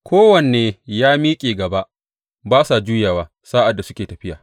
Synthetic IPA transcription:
kʷoː˦wɐ˨neː˨jaː˦miː˦kʲʼeː˨ɡɐ˨ba˦ʔ | baː˦sa˨d͡ʒuː˦jaː˨waː˨ | saː˦ʔa˨dːa˨sʊ˦kʲeː˨tɐ˨ɸɪ˦jaː˨

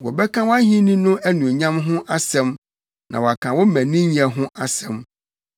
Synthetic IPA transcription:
wɔ˨bɛ˦kʰã˦wɔ˦a˦ɦĩ˦nĩ˦nʊ̃˦ʔæ˦nũ˨ɲã˦mɦʊ̃˦ʔa˦sɛ̃˦m | nʔã̰˨wɔ˨a˨kʰã˨wɔ˦m̩˦mæ̃˨nĩ˦ɲi˨a˨ɦʊ̃˦ʔa˦sɛ̃˨m

